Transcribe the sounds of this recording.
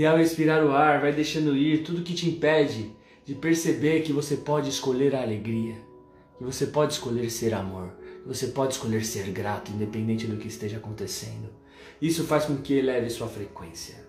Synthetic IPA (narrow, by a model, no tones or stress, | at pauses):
iawhespiɾaɾʊaɾvajd̪ejʃɐ̃nd̪ʊiɾt̪ud̪ʊkɪt͡ʃɪĩpɛd͡ʒɪ | d͡ʒɪpeɾsebeɾkɪvosepɔd͡ʒɪɪskoʎeɾɐːleɡɾiɐ | kɪvosepɔd͡ʒɪɪskoʎeɾseɾamoɾkɪvosepɔd͡ʒɪskoʎeɾseɾɡɾat̪ʊĩnd̪epẽnd̪ẽnt͡ʃɪd̪ʊkɪːst̪eʒɐakõnt̪esḛ̃nd̪ʊ | isʊfajskõkɪlɛvɪsuɐfɾekwẽsiɐ